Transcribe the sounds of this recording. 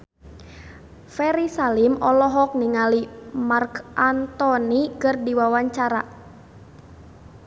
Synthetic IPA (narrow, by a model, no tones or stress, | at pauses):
fɛɾisalimɔlɔɦɔk̚niŋalimarkʔant̪ɔnikɨrdiwawaɲt͡ʃaɾa